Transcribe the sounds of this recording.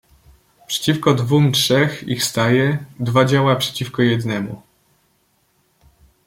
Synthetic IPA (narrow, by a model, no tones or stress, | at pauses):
pʂɛ̥t͡ɕifkɔd̪vumtʂɛxḭxfst̪ajɛd̪vad͡ʑawapʂɛ̥t͡ɕifkɔjɛd̪nɛmṵ